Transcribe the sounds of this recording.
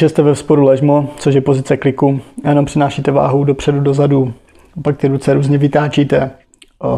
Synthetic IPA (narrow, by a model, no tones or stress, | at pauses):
ʒɛst̪ɛvɛfspoɾulɛʒmot͡soʃjɛpo̞zɪt͡sɛklɪkujɛnompr̥ɪnaːʃit̪ɛva̰ːɦowdo̞pr̝̥ɛdudozadu | apak̚t̪ɪɾut͡sɛɾuːzɲɛvɪt̪aːt͡ʃiːt̪ɛ